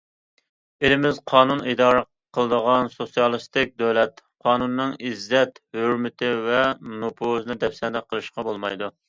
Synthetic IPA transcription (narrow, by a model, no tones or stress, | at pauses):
elɪmɪzqʰɑːnunid̪ɑːɾə | qʰəlˠəd̪əʁɑnsosijɑlˠɨst̪ɪk̚ʲd̪ɛwlɛt̪qʰɑːnunːɨŋizːɛt̪høɾmɪt̪ʰɪvɛnopʰoznɨd̪ɛpsɛnd̪ɛqʰːəlˠɨʃqɑbolˠmɑ̰jd̪u